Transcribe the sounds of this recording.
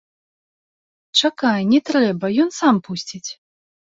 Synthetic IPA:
t͡ʂakajnʲɛt̪ɾɾɛbɐjɔnsampusʲt͡sʲit͡sʲ

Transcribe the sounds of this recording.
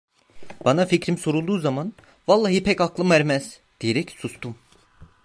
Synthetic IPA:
b̥anaficɾimso̞ɾulˠd̪uːzaman | valˠːaːɦipʰɛcaklˠɯmæɾmɛz̥ | d̪̥ijeɾɛcsust̪um

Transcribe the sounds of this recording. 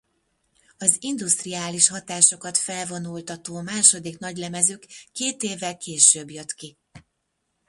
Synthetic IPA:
ɒzind̪ust̪riaːliʃhɒt̪aːʃo̞kɒt̪fɛlvo̞nult̪ɒt̪oːmaːʃo̞d̪iknɒɟlɛmɛzøːkːeːt̪eːvːɛlkʰeːʃøːbjøt̪ki

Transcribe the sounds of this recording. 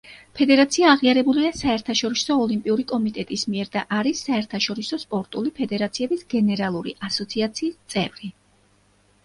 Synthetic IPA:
pʰɛd̪ɛɾat̪sʰiaːʁiaɾɛbuliasaɛɾt̪ʰaʃɔɾisɔːlimpʼiuɾikʼɔmit̪ʼɛt̪ʼismiɛɾd̪aʔaɾisːaɛɾt̪ʰaʃɔɾisɔspʼɔɾt̪ʼulipʰɛd̪ɛɾat̪sʰiɛbisɡ̥ɛnɛɾalˠuɾḭʔasɔt̪sʰiat̪sʰiːst̪sʼɛvɾi

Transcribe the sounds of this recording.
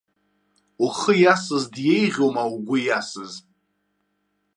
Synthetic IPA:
uχəjasɨzdjejʁʲowmauɡʷʊjasɨz

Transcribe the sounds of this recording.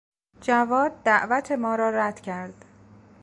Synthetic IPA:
d͡ʒævɒːd̪̚ːæʔvæt̪ʰe̞mɒːɾɒːɾæd̪̥cʰæɾd̪̥

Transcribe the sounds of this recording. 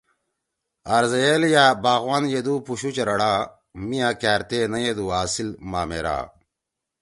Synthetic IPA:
ɐɾzɐjeljabaːɣwaːnjed̪uːpuɕut͡ɕɐɾɐɽaː | mijãːkæːɾt̪eːnɐjed̪uːaːsilmaːmḛɾa̰ː

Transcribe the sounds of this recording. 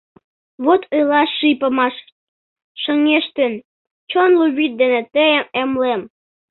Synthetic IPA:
βot̪ʰelɑʃːipə̆mɑʃ | ʃə̆ŋeʃt̪ən | t͡ɕonluβit̪̚d̪enĕt̪əəmemlem

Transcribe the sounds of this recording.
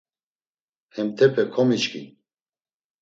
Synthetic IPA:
hɛmt̪ʰɛpʰɛkʰɔmit͡ʃkʰḭ

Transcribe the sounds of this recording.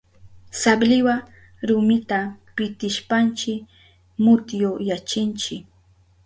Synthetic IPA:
sablɪwa | ɾʊmɪt̪apɪt̪ɪʃpant͡ʃɪ | mʊt̪jojat͡ʃɪnt͡ʃɪk

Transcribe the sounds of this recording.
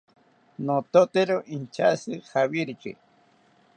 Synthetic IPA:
not̪ot̪eɾoʔint͡ʃasɨxawiɾikḭ

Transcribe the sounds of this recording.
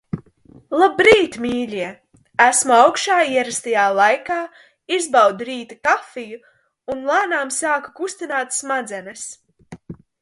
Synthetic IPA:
lˠabɾiːt̪miːlʲiɛ | æsmuawkʃaːiɛɾast̪ajaːlˠajkaː | izbawd̪ɾiːt̪ikafiju | unlˠaːnaːmsaːkakust̪inaːt̪smad̪zɛnɐs

